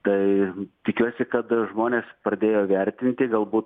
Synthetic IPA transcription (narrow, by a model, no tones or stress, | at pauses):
t̪ɐɪt̪ʲɪkʲuɔsʲɪkɐt̪ʒmoːnʲeːspɾɐd̪ʲeːjoːʋʲɛɾʲt̪ʲɪnʲt̪ʲɪɡɐlˠbuːt̪